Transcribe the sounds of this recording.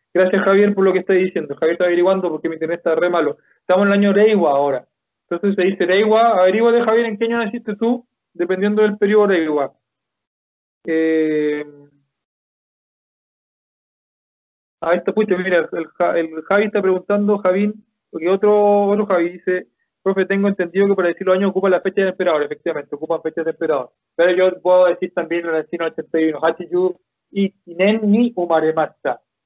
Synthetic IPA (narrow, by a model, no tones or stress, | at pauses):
ɡ̥ɾasjasxaβjeɾpoɾlo̞kest̪aðisjend̪oxaβjeet̪aβeɾiɣwand̪opoɾkemit̪emet̪aremalo | e̥t̪amosenelaɲoɾejɣwaːoɾa | ent̪o̞ns̬esːeðiseɾejɣwaːβeɾiɣwaðexaβjeɾeŋkeaɲonasist̪et̪u | d̪epe̞nd̪jed̪o̞ðelpeɾjooɾejɣwa | em | aest̪oput͡ʃomiɾalelxaʔelxaβiest̪apɾe̞ɣunt̪and̪oxaβin | okeot̪ɾoot̪ɾoxaβiðise | pɾofet̪eŋɡoent̪e̞nd̪iðokepaɾaðesiɾlosaɲosokupalafet͡ʃaðeempeɾaðo̞ɾefek̚t̪iβame̞nt̪eokupaɱfet͡ʃaðempeɾaðo̞ɾa | peɾoʝopweðoðe̞siɾt̪ambjenalaesinaot͡ʃent̪ajunoxat͡ʃiʝu | it̪inenːiumaɾemat͡ʃa